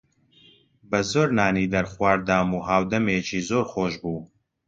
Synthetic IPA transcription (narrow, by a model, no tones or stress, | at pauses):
bɐzoːɾnaːniːd̪ɐɾχwaːɾd̪aːmuːɦaːwd̪ɐmeːt͡ʃʰiːzoːɾχoːʃbuː